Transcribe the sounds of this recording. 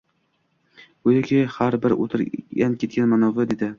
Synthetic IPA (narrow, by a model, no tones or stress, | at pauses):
oj̪ɪkʲʰɪhaɾbɪɾo̰t̪ʰɪɾankʲʰe̞t̪̚kʲʰanmanɒvad̪e̞d̪ɪ